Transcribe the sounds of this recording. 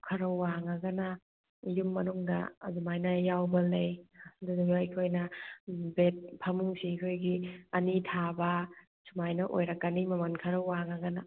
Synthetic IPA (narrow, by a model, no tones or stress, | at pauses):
kʰɐɾɐwːaŋaɡɐna | jumːɐnuŋdɐ̰ːdumajnɐjawbɐlɐjduduɡajkʰojnɐbet̚pʰɐmusikʰojɡiɐnitʰabɐ | sumajnɐʔo̰jɾɐkːanimɐmankʰɐɾɐwːaŋaɡɐna